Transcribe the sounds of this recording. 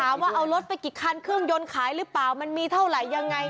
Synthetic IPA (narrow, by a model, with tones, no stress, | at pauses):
tʰaː˨˦mwaː˥˩ʔa˧wlo˦˥t̪̚pa˧jki˨˩kʰːa˧nkʰɯ˥˩əŋjo˧nkʰaː˨˩˦jɾɯː˦˥plaː˨˩wma˧nmiː˧t̪ʰa˥˩wɾa˨˩jːa˧ŋːa˧j